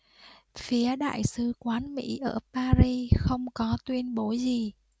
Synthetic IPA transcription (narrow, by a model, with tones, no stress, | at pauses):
fi˨˦əɗa̰ː˧˨jsɨ˨˧˦kwaː˨˦nmḭ˧˥ʔəː˧˩paː˧zi˧xə˧wŋ͡mkɔ˨˦t̪wi˧ənɓo˨˦zi˨˩